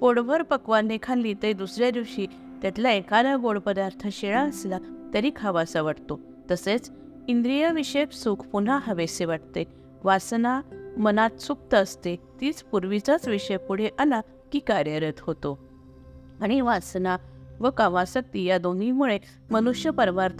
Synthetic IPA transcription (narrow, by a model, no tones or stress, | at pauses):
poɽbʱəɾpəkʋanːekʰanlit̪əd̪usɾjad̪iʋɕiː | t̪jat̪laekalaɡoɽpəd̪aɾt̪ʰəɕeɭãəslat̪əɾiːkʰaʋasaʋaʈt̪o | t̪əset͡s | ind̪ɾijəʋiɕepsukʰpun̤aɦəʋeseʋaʈt̪e | ʋasnamənat̪suk̚t̪əːst̪et̪iːt͡spuɾʋit͡sat͡sʋiɕəjpuɽ̤eʔala | kiːkaɾjəɾət̪hot̪o | aɽ̃iʋasnaʋəkaʋasək̚t̪ijad̪onimuɭe | mənuɕjəpəɾʋaɾt̪ʰ